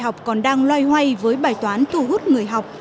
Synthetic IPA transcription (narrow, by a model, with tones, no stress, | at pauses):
ha˨˩wk͡p̚kɔ˨˩nɗaː˧ŋlwaː˧jhwa˧jvəː˨˦jɓaː˨˩jt̪waː˨˦nt̪ʰu˧ɦu˦˥t̚ŋɨ˨˩əjɦa˨˩wk͡p̚